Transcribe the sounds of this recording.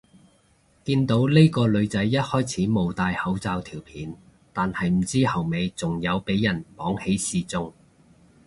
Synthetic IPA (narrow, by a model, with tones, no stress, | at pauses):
kiː˧nt̪o˨˥wle˥kɔː˧lɵ˨˧ɥt͡sɐ˨˥jːɐ˥t̚hɔː˥jt͡sʰiː˨˥mo˨wt̪aː˧jhɐ˨˥wt͡saː˧wt̪ʰiː˨˩wpʰiː˨˥n | t̪aː˨nhɐ˨jm̩˨˩t͡siː˥hɐ˨˩wme˨˧jt͡sʊ˨ŋjɐ˨˧wpe˨˥jːɐ˨˩npɔː˨˥ŋhe˨˥jsiː˧t͡sʊ˧ŋ